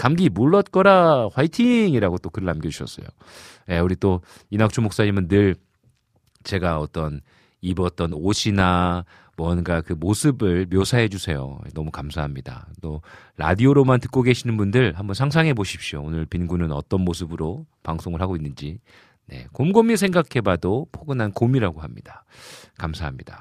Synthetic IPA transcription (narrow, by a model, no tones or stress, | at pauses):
kamɡimuɭːʌt̚k͈ʌɾaɸwaitʰiŋiɾaɡot͈okɯɾɯɭamɡjʌd͡ʑuɕʰʌs͈ʌ̰jo̰ | jeuɾit͈o | inak̚t͡ɕʰumok̚s͈aɲimɯnːɯɭ | t͡ɕe̞ɡaʌt͈ʌn | ibʌt͈ʌnoɕʰina | mwʌnɡakɯmosʰɯbɯɭmjosʰaɦe̞d͡ʑusʰe̞jo̰nʌmukamsʰaɦamɲida̰t͈oɾa̰dioɾomantɯ̥k͈oɡe̞ɕʰinɯnbundɯɭhambʌnsʰaŋs̬ʰaŋɦe̞boɕʰi̥p̚ɕ͈ioonɯɭpinɡunɯnʌt͈ʌnmosʰɯbɯɾopaŋsʰoŋɯɭɦaɡoinːɯnd͡ʑi | ne̞̰komɡomisʰe̞ŋɡakʰe̞badopʰoɡɯnɦankomiɾaɡoɦamɲḭd̥ḁkamsʰaɦamɲida